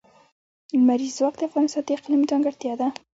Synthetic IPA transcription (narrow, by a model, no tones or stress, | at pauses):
lmaɾizwaq̚t̪d̪eafɣɑnɪst̪ɑnt̪eɪqlimit̪ɑŋɡaɾt̪jɑd̪a